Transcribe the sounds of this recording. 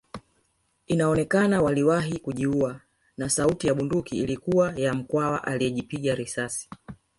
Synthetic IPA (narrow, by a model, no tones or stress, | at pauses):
inaɔnɛkanawaliwaɦikuʄiua | nasautijaɓundukiːlikuwajam̩kwawaʔaliɛʄipiɠaɾisasi̥